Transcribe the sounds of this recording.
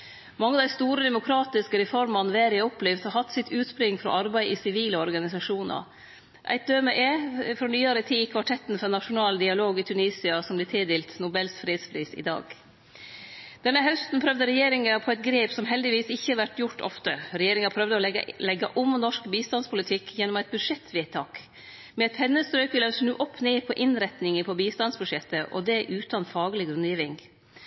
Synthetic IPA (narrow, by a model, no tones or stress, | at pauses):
mɑŋːəd̪æɪst̪uːɾəd̪ɛmʊkʰɾɑːt̪ɪskəɾɛfɔɾmɑnʋeːɾɪɔpliːʋt̪hɑhɑt̪ːsɪt̪ʰʉːt̪pɾɪŋːfɾɔ̰ʔɑɾbæɪʔɪsɪʋiːləɔɾɡɑnɪsɑʂuːnɑ̰ | ʔæ̰ɪt̪̚d̪øːmɛʔefɾonyːɑɾət̪ʰiːkʰʋɑʈʰɛt̪ːnfɔɾnɑʂʊnɑːld̪ɪɑloːɡiːt̪ʰʉniːsɪɑsɔmblɛːt̪ʰɪld̪ɛːlt̪nʊbɛlsfɾeːd̪spʰɾiːsɪ̰d̪ɑ̰ːɡ | d̪̥ɛnːəɦœst̪n̩pʰɾœʋd̪əɾɛjeːɾɪŋɑpʰɔɛt̪ɡɾeːpsɔmɦɛld̪ɪʋiːsɪçːəæʋæʈːjʊʈːɔ̰ft̪əɾɛjeːɾɪŋɑpʰɾœʋd̪əɔlɛɡːɑʔʊmnɔʂkbiːst̪ɑnspʰʊlɪt̪ʰɪkʰːjɛnːɔmæɪt̪̚bʉd̪ʂɛt̪ʰːʋɪæɪt̪ʰɑːk | mɛɛt̪pʰɛnːəst̪ɾœʏkʋɪlɛsnʉːʔɔpʰːneːpʰɔʔɪnɾɛt̪nɪŋəpʰɔbiːst̪ɑnsbʉʂɛt̪ːəʔɔ̰d̪ɛʔʉːt̪ɑnfɑːɡlɪɡɾʉnd̪jiːʋɪŋ